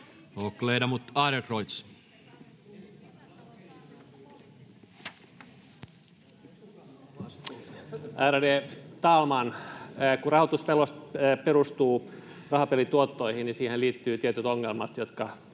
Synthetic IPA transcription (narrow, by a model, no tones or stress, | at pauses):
okleidɑmut̪ɑɾekroit̪s | ʔærdeːt̪ɑːlmɑnkurɑɦhot̪uspelost̪ːpeɾust̪uːrɑhɑpelit̪uot̪ːo̞ihinnisiːheliːt̪ːyːt̪iet̪yt̪oŋːelmɑt̪jot̪kɑ